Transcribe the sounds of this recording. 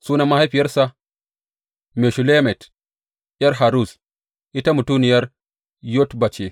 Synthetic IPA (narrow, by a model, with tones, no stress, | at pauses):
suː˦na˦mːa˦ha˦jɸi˨jɐ˦rsa˨ | me˨ʃu˨le˦mɛ˨t | jɐ˦rɦa˨ɾu˦˨s | ʔi˦ta˦mu˨tu˦nɪ˨jɐ˦r | jo˦tbɐ˨t͡ʃe˨